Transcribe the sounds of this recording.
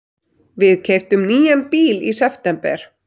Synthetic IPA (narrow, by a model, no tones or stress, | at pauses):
vɪðcʰeːjft̪ʏmniːjanpiːlisɛft̪ɛmpɛ̰ɾ̥